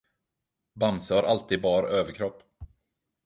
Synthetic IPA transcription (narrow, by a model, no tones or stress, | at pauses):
bamsəhaɾʔalt̪ʰiːd̪̚bɑːɾʔøːvəɾkʰɾɔpː